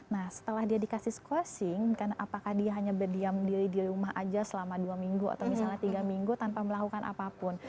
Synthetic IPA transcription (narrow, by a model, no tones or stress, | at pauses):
nahsə̥t̪əlahdiadikasɪhsəkosɪŋkarnaʔapakahdiaɦaɲabərdiamdiɾidiɾumaha̰d͡ʒasəlamaduamiŋɡua̰t̪awmisalɲat̪iɡamiŋɡut̪anpaməlakukanʔa̰papʊn